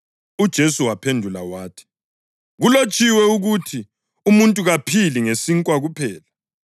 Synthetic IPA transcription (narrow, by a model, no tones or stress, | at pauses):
ud̥ʒ̥ʱesuwapʰendʱula̰waːtʰi̥ | ɣulot͡ʃʼiwɛuɣutʰi | umuntʼuɣapʰiliŋesiŋkʼwaɣupʰɛːla